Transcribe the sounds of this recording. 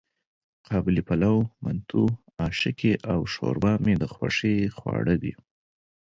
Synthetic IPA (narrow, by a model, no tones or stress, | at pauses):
qʰɑbɪlipalawmant̪ʰu | ɑʃɪkʰeʔawʃo̰ɾbɑmed̪əxwa̰ʂexwɑ̰ɽəwi